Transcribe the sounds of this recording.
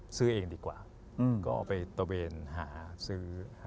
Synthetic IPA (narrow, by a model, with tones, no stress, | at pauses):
sɯː˥˩ʔeː˧ŋdiː˧kwa̰ː˨˩˧ | kɔ̰ː˥˩pa˧jt̪a˧weː˧nɦaː˩˦sɯː˦˥˩h